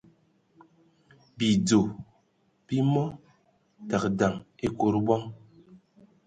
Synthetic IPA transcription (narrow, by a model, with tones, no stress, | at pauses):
bi˨d͡zo˨ | b̥i˦mɔ˦ | ta˨k̚da˨ŋe˦ko˨ɾbɔ˦ŋ